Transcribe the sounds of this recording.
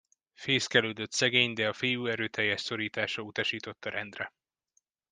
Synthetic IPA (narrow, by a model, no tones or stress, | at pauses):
feːskɛlyːd̪øt̪sɛɡeːɲd̪ɛɒfijuːɛɾøːt̪ʰɛjːɛʃso̞ɾiːt̪aːʃɒut̪ɒʃiːt̪o̞t̪ːɒɾɛnd̪rɛ